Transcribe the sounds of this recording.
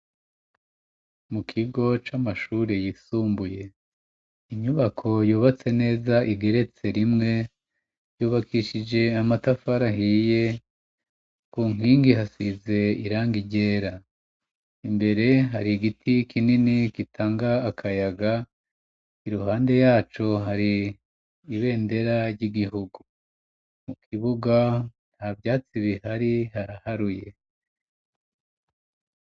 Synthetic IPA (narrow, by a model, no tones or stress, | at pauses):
mukʰiɡo̞t͡ʃamaʃuːɾejisuːmbuje̞ | iɲuβakʰo̞juːβat͡se̞ne̞ːzaʔiɡe̞ɾe̞t͡se̞ɾimŋe̞ | juːβakʰiʃid͡ʒe̞amatafaɾahije̞ | kuːŋ̥iːŋɡiɦasize̞iɾaːŋɡiɟe̞ːɾa | imbe̞ɾe̞ɦaɾiɡitʰikʰininikitʰaːŋɡaːkʰajaɡa | iɾuɦaːnde̞jaːt͡ʃo̞ɦaɾiː | βe̞ːnde̞ɾaɾɟiɡiɦuɡu | mukʰiβuɡan̥habjaːt͡siβihaɾihaɾahaɾuje̞